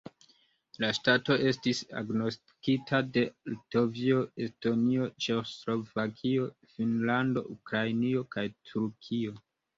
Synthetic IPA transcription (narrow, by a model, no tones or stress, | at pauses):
laʃtato̞ʔe̞stisa̰ɡno̞sti̥kitʰade̞lto̞vio̞esto̞nio̞t͡ʃeoslo̞vakʰio̞finlando̞̰ʔukɾajnio̞kajtʰuɾkʰio̞